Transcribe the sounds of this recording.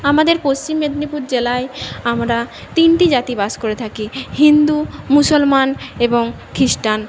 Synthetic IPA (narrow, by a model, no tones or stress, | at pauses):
amad̪eɾpost͡ɕimːed̪nipuɾd͡ʑelaeamɾa | t̪inʈid͡ʑat̪ibaskoɾet̪ʰakihind̪umusolmaneboŋ | kɾisʈan